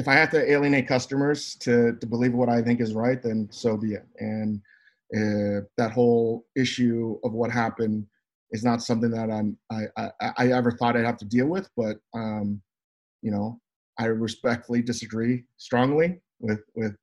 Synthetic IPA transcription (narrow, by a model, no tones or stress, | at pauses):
ɨfaɪhæftɨeɪlˠiɨ̃neɪt̚kʰʌstəmə˞z̥tʰɨtɨbəlivwʌɾaɪθɪ̃ŋkɨzɹaɪt̪̚ðɨ̃nsoʊviɨɨ̃n | ʔɪðət̚ɦoʊlˠɪʃʉʌvwʌt̚ɦæpɨ̃n | ɨznətsʌ̃mθɪ̃ŋðəɾãɪ̃maɪʔaɪʔaɪʔaɪɛvə˞θɔɾaɪd̚hæftɨdilˠwɪð̥b̥ʌt̚ʌ̃m | jɨnoʊ | ʔaɪɹɨspɛk̚tfl̩ˠidɨsɨɡɹistɹ̥ɔ̃ŋli | wɪð̥wɪð̥